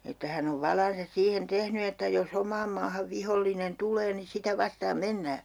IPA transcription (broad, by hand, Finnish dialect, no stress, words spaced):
etːæ hæn oʋ ʋɑlɑnsɑs siːhen tehny etːæ jos omˑɑːm mɑːhɑʋ ʋiholːinen tulˑeː ni sitæ ʋɑstɑːm menːæː